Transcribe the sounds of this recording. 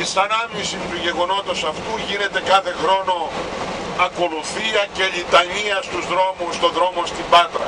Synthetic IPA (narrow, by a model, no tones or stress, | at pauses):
isɐnɐvɲisit̪uʝe̞ɣo̞no̞t̪o̞sɐft̪uʝine̞t̪e̞kɐθe̞xɾo̞no̞ | ɐko̞luθiɐce̞ʎit̪ɐɲiɐst̪uzðɾo̞must̪o̞ðɾo̞mo̞st̪ibɐt̪ɾɐ̰